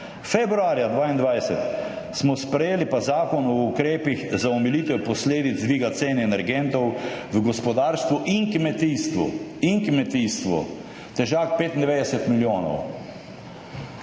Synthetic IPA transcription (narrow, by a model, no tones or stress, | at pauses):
fɛbɾuaːɾjad̪ʋaːind̪ʋajsɛt̪ | smɔspɾɛjeːlipazaːkɔnɔukɾeːpiɣzaɔmɛliːt̪ɛpɔsleːd̪id̪zd̪ʋiːɡat̪seːnɛnɛɾɡɛnt̪ɔwʋəɡɔspɔd̪aːɾst̪ʋuʔiŋkmɛt̪ist̪ʋṵiŋkmɛt̪ist̪ʋṵ | t̪ɛʒaːk̚peːt̪ind̪ɛʋeːd̪ɛsɛt̪miljoːnɔ̰w